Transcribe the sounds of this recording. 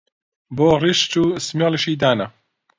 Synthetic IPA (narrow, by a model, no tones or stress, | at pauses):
boːriʃt͡ʃuːsmjɑːlʃiːd̪aːnɐ